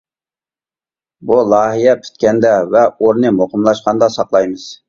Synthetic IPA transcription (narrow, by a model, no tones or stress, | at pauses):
bulˠɑːɦijɛpʰy̥t̪kʲɛnd̪ɛvɛoɾnɨmoqəmlˠɑʃqɑnd̪ɑsɑqlˠɑjmɨz̥